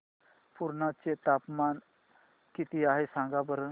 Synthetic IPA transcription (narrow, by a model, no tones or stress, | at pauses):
puɾnat͡set̪apman | kit̪iaɦesãŋɡabəɾ